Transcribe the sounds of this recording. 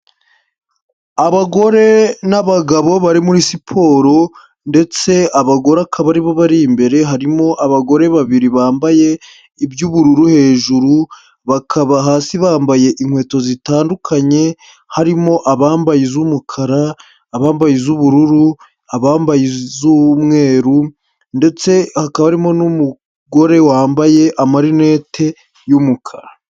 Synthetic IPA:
aβaɡo̞ɾe̞naβaɡaβo̞βaɾimuɾisipʰo̞ːɾo̞ | nde̞t͡se̞aβaɡo̞ɾeakʰaβaɾiβoβaɾimbe̞ɾe̞ɦaɾimo̞ʔaβaɡo̞ɾe̞βaβiɾiβaːmbaje̞ | ibjuːβuɾuɾuhe̞ːʒuɾu | βakʰaβaɦaːsiβaːmbaje̞ʔiŋhwe̞ːto̞zitaːndukʰaɲe̞ | haɾimo̞ʔaβaːmbajizumukʰaɾaː | βaːmbajizuβuɾuɾu | aβaːmbajizumŋe̞ːɾu | nde̞t͡se̞hakaβaɾimo̞numu | ɡo̞ɾe̞waːmbaje̞ʔamaɾine̞ːtʰe̞ | jumukʰaɾa

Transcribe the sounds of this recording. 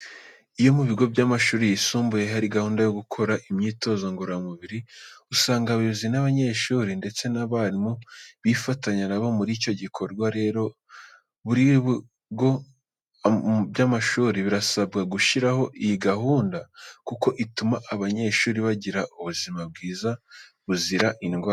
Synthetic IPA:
ijo̞muβiɡo̞bɟaːmaʃuːɾijisuːmbuje̞ɦaɾiɡahuːndajo̞ɡukʰo̞ɾaʔimɲiːto̞ːzaŋɡoɾamuβiɾiusaːŋɡaβiβzinaβaɲe̞ʃuːɾinde̞t͡se̞naβaɾimuβifataɲanaβo̞muɾico̞ɟikʰo̞ɾɡwaɾe̞ːɾo̞ | βuɾiβu | ɡo̞ | bjamaʃuːɾiβiɾasabɡaɡuʃiɾaho̞ʔijiɡaɦuːndakuko̞ʔitumaʔːβaɲe̞ʃuːɾiβaɟiɾaʔuβuzimab̚ɡiːza | βuziɾaʔinɡwa

